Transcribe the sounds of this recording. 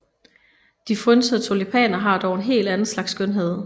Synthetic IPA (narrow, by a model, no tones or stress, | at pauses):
d̥ifʁynsəðˠt͡sʰo̝lipʰɛ̰ːnɐɦɑ̈d̥ɒʊe̝nɦe̝̰ːld̥ænn̩slɑ̈ɡ̥sːɡ̥ønɦeð̞̰ˠ